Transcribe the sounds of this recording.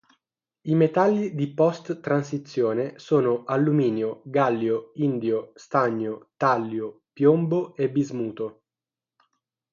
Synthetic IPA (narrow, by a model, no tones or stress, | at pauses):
imet̪alːid̪ipɔst̪t̪ːɾansit̪sːjoːnesoːnoʔalːumiːnjoɡalːjoind̪jost̪aɲːot̪alːjopjomboebizmuːt̪o